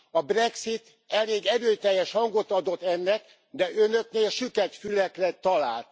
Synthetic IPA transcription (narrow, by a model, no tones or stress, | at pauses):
ɒbrɛksit̪ | ɛleːɡɛɾøːjt̪ɛjːɛʃhɒŋɡo̞t̪ɒd̪o̞t̪ːɛnːɛk | d̪ɛʔønø̞kneːlʃykɛt̪fylɛkrɛt̪ɒlaːlt̪